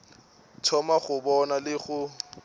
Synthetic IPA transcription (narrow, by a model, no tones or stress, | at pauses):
tʰɔmaχʊbɔnalɪɣʊ